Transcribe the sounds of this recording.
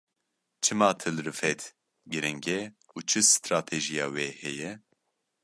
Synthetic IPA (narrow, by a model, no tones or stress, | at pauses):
t͡ʃʰɨmɑːt̪ʰɨlɾɨfɛt̪ | ɡɨɾɨŋɡɛ | uːt͡ʃʰɨsɨ̥t̪ɾaːt̪ʰeʒijɑːweːhɛjɛ